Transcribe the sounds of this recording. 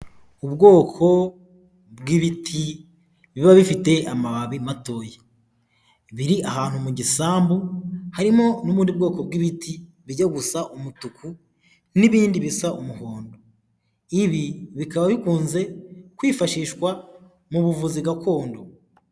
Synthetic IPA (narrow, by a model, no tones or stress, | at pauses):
ubɡo̞ːkʰo̞ | bɡiβitʰi | βiβaβifite̞amaβaβimato̞ːje | βiɾiʔaɦaːn̥humuɟisaːmbuhaɾimo̞nuβuːndib̚ɡo̞ːko̞b̚ɡiβitʰi | βiɟaɡusaʔumutukʰu | niβiːndiβisaʔumuhoːndo | iβiβikaβaβikuːnze̞kwiːfaʃiːʃkwa | muβuvuziɡakʰo̞ːndo